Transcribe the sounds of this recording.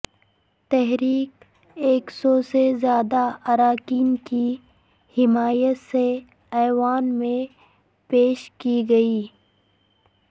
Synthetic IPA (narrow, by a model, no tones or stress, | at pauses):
t̪ɛɦɾiːk | eːksɔːsezjaːd̪aɐɾaːkiːnki | hɪmaːjət̪se | ɛːwaːnmẽ | peːʃkiɡɐiː